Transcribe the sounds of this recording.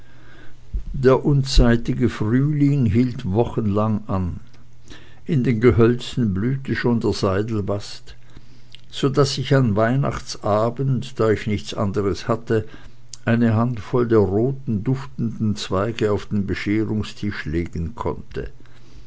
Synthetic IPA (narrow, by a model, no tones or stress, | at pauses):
d̥eːɐʔʊnt͡saɪtɪɡəfʁyːlɪŋɦiːltvɔχənlaŋʔan | ʔɪndeːnɡəɦœlt͡sn̩blyːtəʃoːndeːɐzaɪdl̩vast | z̥odasɪçanvaɪna̰χt͡sʔaːbən̩td̥aːɪçnɪçt͡sʔa̰ndəʁəshatə | ʔaɪnəɦantfɔldeːɐʁoːtn̩dʊftn̩dn̩t͡sv̥aɪɡəaʊfd̥eːnbəʃeːʁʊŋstʰɪʃleːɡ̥ən̩kʰɔ̰ntʰə̰